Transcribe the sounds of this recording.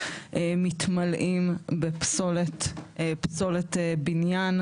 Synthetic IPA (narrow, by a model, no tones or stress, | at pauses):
ʔemit̪malʔimbepsoletpsoletebinjan